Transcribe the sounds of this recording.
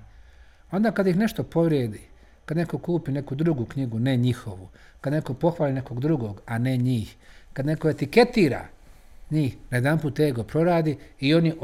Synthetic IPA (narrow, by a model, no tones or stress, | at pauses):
o̞nd̪akad̪jixne̞ʃt̪o̞po̞ʋɾjed̪i | kad̪ne̞ko̞kuːpine̞kud̪ɾuɡukɲiɡune̞ɲixo̞ʋu | kad̪ne̞ko̞po̞xʋaːline̞ko̞ɡd̪ɾuɡo̞ːɡane̞ɲiːxkad̪ne̞koe̞t̪iket̪iːɾa̰ | ɲiːxnaje̞d̪anpuːt̪eɡopɾo̞ɾaːd̪iio̞ni